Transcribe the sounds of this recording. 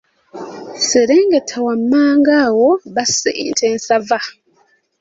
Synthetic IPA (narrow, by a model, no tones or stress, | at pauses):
siɾeːŋɡetʰawamːaːŋɡawoβasḭntʰeːnsava